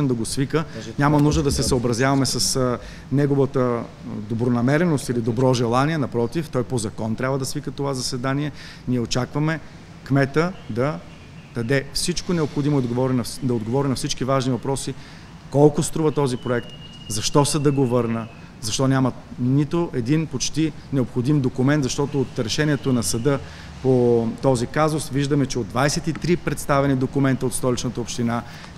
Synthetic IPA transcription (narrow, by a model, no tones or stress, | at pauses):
ɛnd̪ɐɡosvikənɲʲamɐnuʒd̪əd̪ɐsɛsəobɾɐzjavɐmɛsɐs | nɛɡovət̪ə | d̪obɾonɐmɛɾɛnost̪ilid̪obɾɔʒɛlˠaniɛnɐpɾɔt̪ift̪ɔjpozɐkɔnt̪ɾʲabvəd̪ɐsvikət̪ovazɐsɛd̪aniɛ | niɛot͡ʃakvɐmɛ | kmɛt̪əd̪ɐ | t̪ɐd̪ɛfsit͡ʃkonɛopxod̪imoɛd̪ɡovɔɾinɐd̪ɐod̪ɡovɔɾinɐfsit͡ʃkivaʒnivɐpɾɔsi | kɔlˠkʊst̪ɾuvɐt̪ɔzipɾoɛkt̪ | zɐʃt̪ɔsəd̪ɐɡovɤɾnə | zɐʃt̪ɔnʲamənit̪oʔɛd̪inpot͡ʃt̪i | nɛopxod̪imd̪okʊmɛnt̪zɐʃt̪ɔt̪oːt̪ɾɛʃɛnʲiɛt̪onɐsɐd̪ɤ | pot̪ɔzikazʊsviʒd̪əmɛt͡ʃɛod̪vajsɛt̪it̪ɾipɾɛt̪st̪avɛnid̪okʊmɛnt̪əot̪st̪ɔlit͡ʃnət̪əopʃt̪ina